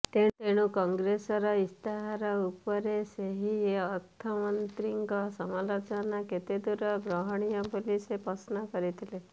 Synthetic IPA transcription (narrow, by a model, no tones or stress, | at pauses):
t̪et̪eɽ̃ũkɔŋɡɾesɔɾɔist̪ʰaɦɾɔupɔɾeseɦieɔɾt̪ʰamɔnt̪ɾiŋɡɔsɔmalot͡ʃɔnaket̪ed̪uɾɔbɾɔɦɔɽ̃ijɔpolisepɔsnɔkɔɾit̪ʰile